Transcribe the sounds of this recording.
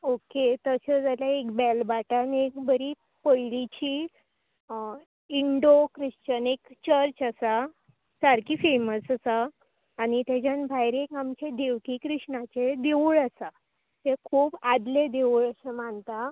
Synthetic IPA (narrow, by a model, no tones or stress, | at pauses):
oket̪əsəd͡zaljaekbɛlbaʈanekbəɾi | pəjlit͡ɕiː | iɳɖokɾiɕt͡ɕənekt͡ɕəɾt͡ɕəsa | saɾkiːfeməsasaː | ñit̪ad͡ʑãnbʱajɾekamt͡ɕed̪eʋkiːkɾiʂɳat͡ɕed̪euɭəsa | t̪ekʰuːbad̪led̪eʋuɭəsemaɳt̪a